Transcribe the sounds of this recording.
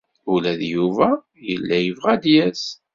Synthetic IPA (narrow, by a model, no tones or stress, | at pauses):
ulæðjuvæ | jə̰lːæjəvʁæd̪jæs